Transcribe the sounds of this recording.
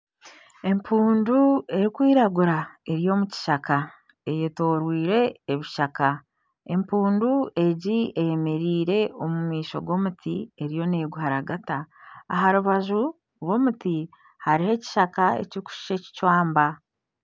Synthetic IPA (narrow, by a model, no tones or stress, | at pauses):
e̞mpʰuːndue̞ɾikwiːɾaɡuɾae̞ɾijo̞muci̥ʃaka | ejeto̞ːɾwiːɾe̞ːβiʃaka | e̞mpuːndue̞ɟieje̞me̞ɾiːɾe̞o̞mumiːʃo̰ɡo̞ːmutʰie̞ɾijo̞ne̞ːɡuɦaɾaɡataːɦaɾuβaʒu | ɾwo̞ːmuti | haɾihe̞ci̥ʃakae̞̰ciiku̥ʃi̥ʃe̞ci̥cwaːmba